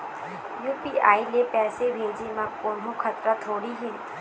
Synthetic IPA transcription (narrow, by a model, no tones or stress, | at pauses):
juːpiaːilepɛːsebʱeːd͡ʒemãkoːnɦõkʰɐt̪ɾat̪ʰoːɽiɦɛː